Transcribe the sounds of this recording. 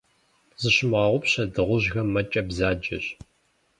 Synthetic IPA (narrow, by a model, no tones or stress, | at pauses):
z̥ɨɕɪmʁɐʁʷʊpɕɐdɨʁʷʊʑɣɐmːɐt͡ʃʼɐbzaːd͡ʒɐ̰ɕ